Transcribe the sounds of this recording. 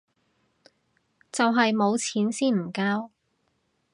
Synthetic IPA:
t͡sɐ˨wɦɐ˨jmo˨˧wt͡sʰiː˨˥nsiː˥nm̩˨˩kaː˥w

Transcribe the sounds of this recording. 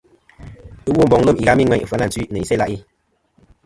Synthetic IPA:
ɨ˦wu˦˨m˨bɔ˨ŋlə˦˨mi˨ɣa˦mi˦ŋwɛ˦ɲ˨fə˦na˦˨t͡si˦nɨ˨i˨sɛ˦la˦ʔi˦

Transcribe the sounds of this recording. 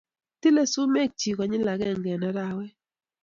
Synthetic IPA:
ti˦le˦su˦me˦˨k̚t͡ʃi˨kɔ˨ɲɪ˦la˨ɡɛ˦˨ŋɡɛ˨na˦ɾa˨wɛ˦

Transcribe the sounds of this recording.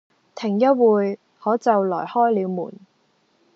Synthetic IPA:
t̪ʰɪ˨˩ŋjɐ˥t̚wuː˨˧j | hɔː˨˥t͡sɐ˨wlɔ̰ː˨˩jhɔː˥jliː˨˧wmṵː˨˩n

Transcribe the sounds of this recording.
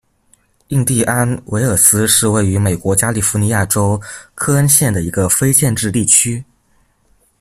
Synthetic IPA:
i˥˧ŋt̪i˥˩ʔa˥nwʔe˧˥ɪə˞˨˩sɹ̩˥ʂɻ̩˥˧we˥˩ɪy˧˥me˨˩ɪkwɔ˧˥t͡ɕja˥li˨˩fu˧˥ni˧˥ja˥˩ʈ͡ʂo˥ʊkʰɤ˥a˥nɕjɛ˥˩nd̪ə˩i˧˥ɡə˧fe˥ɪt͡ɕjɛ˥˧nʈ͡ʂɻ̩˥˧t̪i˥˩t͡ɕʰy˥

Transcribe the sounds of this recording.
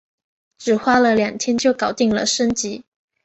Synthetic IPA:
ʈ͡ʂɻ̩˨˩xwa˥lə˨ljɑ˨˩ŋt̪ʰjɛ˥nt͡ɕjo˥˩ʊkɑ˨˩ʊt̪i˥˩ŋlə̰˨˩ʂə˥nt͡ɕi˧˥

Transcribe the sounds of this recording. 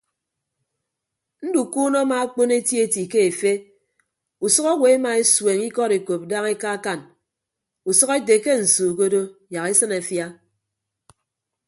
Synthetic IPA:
n̩˦du˨ku˦nɔ˦ma˨a˦k͡po˦ne˦tje˦ti˨ke˦e˨fe˦ | u˨sʌ˦kɔ˦we˨e˦ma˨e˦swe˨ŋi˦kɔ˦ɾe˨ko˨p̚da˦ŋe˦ka˦ka˦˨n | u˨sʌ˦ke˦t̬e˨ke˦n̩˨suː˨k̬o˦do˦ja˨ke˦sɨ˦na˨fja˦

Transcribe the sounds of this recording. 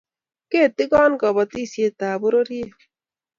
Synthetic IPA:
ke˦˨t̪ːi˦ɡɔ˦nkɔ˨bɔ˨t̪i˦sje˦t̪aː˨bu˦ɾo˦ɾi˦e˦

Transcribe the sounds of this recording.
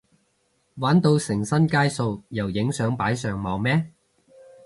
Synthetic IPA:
waː˨˥nt̪o˧wsɪ˨˩ŋsɐ˥nkaː˥jso˧wjɐ˨˩wjɪ˨˥ŋsœː˨˥ŋpaː˨˥jsœː˨˧ŋmɐ˨˧wmɛː˥

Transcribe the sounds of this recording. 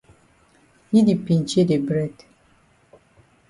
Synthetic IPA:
ji˦di˨pĩ˨nt͡ʃe˦de˨bɾɛ˦d

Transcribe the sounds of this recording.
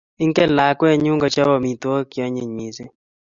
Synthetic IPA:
ɪ˦ŋkɛ˦la˨kwɛ˦˨ɲu˦ŋɡɔ˨t͡ʃa˦bɔ˨mi˨t̪wɔ˦kja˦ɲe˨ɲi˨se˦

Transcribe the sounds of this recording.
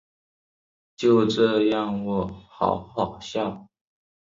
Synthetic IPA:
t͡ɕjo˥˧ʊʈ͡ʂɤ˥˧jɑ˥˧ŋwɔ˨˩xɑ̰˨˩˦ʊxɑ˨˩ʊɕjɑ˥˩ʊ

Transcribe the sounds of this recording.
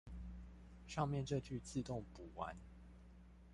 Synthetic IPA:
ʂɑ˥˧ŋmjɛ˥˨nʈ͡ʂɤ˥˧t͡ɕy˥˧t͡sʰɹ̩˥˧t̪ʊ˥˨ŋpu˨˩wa̰˨˦n

